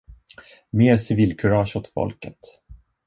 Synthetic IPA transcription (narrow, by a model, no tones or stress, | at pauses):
meːɾsɪviːlkʰɵɾɑːʃɔt̪fɔ̰lkət̪